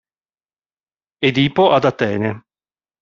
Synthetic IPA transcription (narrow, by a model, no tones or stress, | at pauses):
ed̪iːpoʔad̪at̪ɛːne